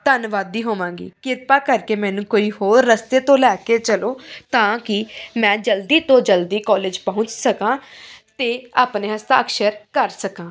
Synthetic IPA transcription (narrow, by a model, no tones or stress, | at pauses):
t̪ənʋaːd̪iːɦoːʋãːŋɡḭːkɪɾpaːkəɾkeːmɛ̃ːnũːkoːiːɦoːɾːəst̪eːt̪õːlɛːkeːt͡ʃəloːt̪ãːkɪmɛ̃ːd͡ʒəld̪iːt̪õːd͡ʒəld̪iːkɔːleːd͡ʒpɔ̃ɦʊ̃t͡ʃsəkãːt̪eːaːpneːɦəst̪a̰ːəkʃəɾkəɾsəkãː